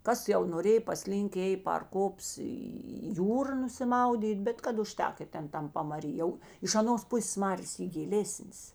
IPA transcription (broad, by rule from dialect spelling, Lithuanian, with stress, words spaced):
ˈkɐs jɛʊ noːˈrʲeːj pɐˈsʲlʲiːŋk ˈeːj pɐr ˈkoːps iː iː ˈjuːrɐ nʊsʲɪˈmɐʊdʲiːt ˈbʲɛt kɐt ʊˈʃʲtʲɛk ɪ ˈtʲɛn ˈtɐm pɐmɐˈrʲiː jɛʊ ɪʃ ɐˈnoːs ˈpʊsʲeːs ˈmɑːrʲeːs ˈiː ɡʲɪˈlʲeːsʲnʲeːs